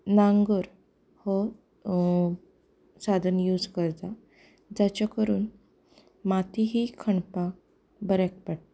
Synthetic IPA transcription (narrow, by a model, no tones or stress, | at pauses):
naŋɡəɾ | hɔ | sad̪ʱənjuːd͡zkəɾt̪a | d͡zat͡ɕakəɾuːn | mat̪iɦikʰəɳpã | bəɾak̚paɽ